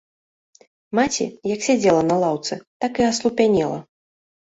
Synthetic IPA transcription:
mat͡sʲḭjɐksʲad͡zʲɛlˠɐnɐlˠawt̪sɨt̪akiaslˠupʲanʲɛlˠɐ̰

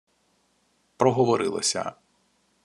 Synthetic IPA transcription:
pɾɔɦɔʋɔɾɪlˠɐ̰sʲɐ̰

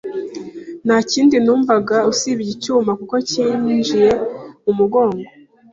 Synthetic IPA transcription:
nhaːciːndinuːɱvaɡausiβiɟicuːmakuko̞ciːd͡ʒije̞umuɡo̞ːŋɡo

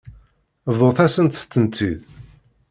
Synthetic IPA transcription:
vˤoθæsənt̪ːənt͡s̪ːið

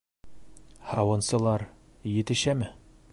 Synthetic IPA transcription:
hɑwɤ̆nsɤ̆lˠɑɾ | jɘ̆t̪ɘ̆ɕæmɘ

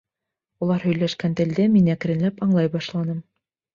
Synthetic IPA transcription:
ulˠɑɾhɵ̆jlæʃkænt̪ɘ̆ld̪ɘminæk̆ɾɘ̆nlæpɑɴlˠɑjbɑʃlˠɑnɤm

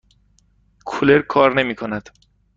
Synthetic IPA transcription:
kʰoleɾkʰɒːɾne̞miːkʰonæd̪̥

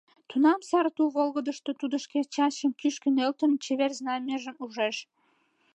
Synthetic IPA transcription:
t̪unɑmsɑɾt̪ulβolɣə̆d̪əʃt̪ot̪ud̪ə̆ʃket͡ɕɑɕəmkyʃkənølt̪ə̆nt͡ɕeβerznɑmeʒə̆muʒeʃ

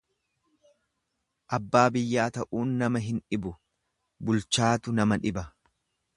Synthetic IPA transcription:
ʔɐbːaːbɪjːaːt̪ɐʔuːnːɐmɐɦɪnᶑɪbʊ | bʊlt͡ʃaːt̪ʊnɐmɐᶑɪbɐ

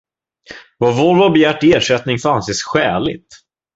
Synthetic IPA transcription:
vɑvoːɾvɔbɛjæːʈːeːʂɛt̪nɪŋfœɾanseːsɧɛːlɪ̰t̪

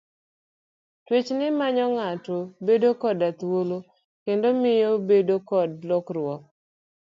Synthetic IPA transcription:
twet͡ʃnɪmaɲɔŋatobedokɔdat̪wolo | kendomɪjobedokɔd̚lɔkrwɔk̚

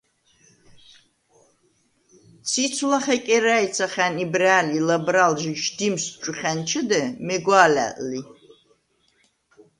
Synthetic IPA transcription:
sit͡sʰlaχɐkʼɛrajt͡sʰaχʲænibraːlilɐbralʒiʃdimsʈ͡ʂʷʼʊχʲænt͡ʃʰɨdɐmeɡʷaːla̰ʔli

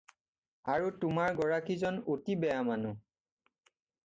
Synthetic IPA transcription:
aɹutʊmaɹɡɔɹakizɔnotibɛjamanʊ

